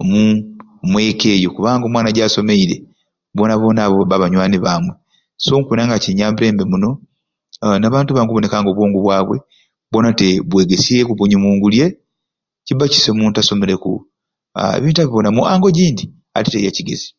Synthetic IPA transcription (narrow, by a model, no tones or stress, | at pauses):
mu | mwe̞ːke̞ːjokuβaːŋɡomwaːnaɟaːso̞me̞iɾe | βo̞ːnaβo̞ːnaβoβaβaɲwaːniβamwe | somukunaŋɡaciɲaːmbiɾe̞ːmbe̞muno̞ | naβaːntuβaŋɡuβo̞nekaːŋɡo̞βwoːŋɡuβwaːβwe̞̰ | βo̞nateβwe̞ːɡesiekuβuɲimuːŋɡulje | cibaci̥semuːntaso̞me̞ɾe̞kṵ | ḛβiːntaβiβonamuʔaːŋɡo̞ɟiːndi | a̰titejaciɡḛzi̥